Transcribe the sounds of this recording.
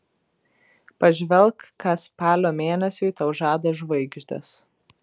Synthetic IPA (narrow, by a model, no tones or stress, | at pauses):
pɐʒʲʋʲɛlˠkʰːɐspɑːlʲoːmʲeːnʲɛsʲʊɪt̪ɐʊʒɑːd̪ɐʒʋɐɪɡʒʲd̪ʲɐ̰s